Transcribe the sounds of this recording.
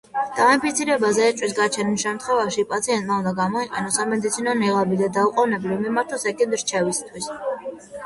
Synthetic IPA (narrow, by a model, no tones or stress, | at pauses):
d̪̥aimpit̪sʰiɾɛbazɛːt͡ʃʼwis̬ɡat͡ʃʰɛnilˠʃɛmt̪ʰχwɛvaʃipʼat̪sʰiɛnt̪ʼmaund̪aɡamɔiqʼɛnɔsamɛd̪it̪sʰinɔnɛʁabid̪ad̪auqʼɔvnɛblimimaɾt̪ʰɔsɛkʼɛnd̪ɾt͡ʃʰɛvist̪ʰwis